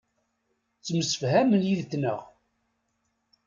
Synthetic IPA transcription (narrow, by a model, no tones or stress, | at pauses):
t͡sːməsə̥fhæmənjiðθnə̰ʁ